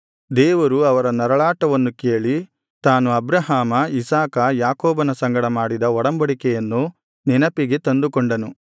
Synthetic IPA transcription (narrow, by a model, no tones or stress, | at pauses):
d̪ɛːʋɐɾuɐʋɐɾɐnɐɾɐɭaːʈɐʋɐnːukeːɭi | t̪aːnuɐbɾɐɦaːmɐisaːkɐjaːkɔːbɐnɐsɐŋɡɐɽɐmaːɽid̪ɐɔɽɐmbɐɽikɛjɐnːu | ninɐpiɡe̞t̪ɐnd̪ukɔɳɖɐnu